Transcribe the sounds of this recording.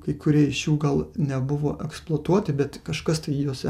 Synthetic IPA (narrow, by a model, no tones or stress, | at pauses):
kɐɪkʊɾʲiɛɪʃjuːɡɐlˠnʲɛbʊʋo̰ːʔɛksplˠoɔt̪uɔt̪ʲɪbʲɛt̪kɐʃkɐst̪ɐɪjuːsʲɛ